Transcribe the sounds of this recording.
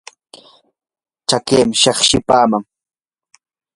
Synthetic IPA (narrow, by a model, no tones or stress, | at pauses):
t͡ʃakeːmɪʃɑχʃɪpaːmaŋ